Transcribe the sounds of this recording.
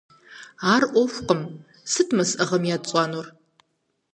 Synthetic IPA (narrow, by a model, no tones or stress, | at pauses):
aːrʔʷoɕʷqəm | sɨtʰmɐsɐʁɐmjadt͡sʼɑnor